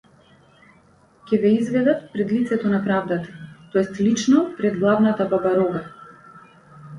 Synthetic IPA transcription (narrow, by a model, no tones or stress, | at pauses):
kʲɛvɛizvɛd̪at̪pɾɛd̪lit̪sɛt̪ɔnapɾavd̪at̪ḁt̪ɔɛst̪lit͡ʃnɔpɾɛd̪ɡlˠavnat̪ababaɾɔɡa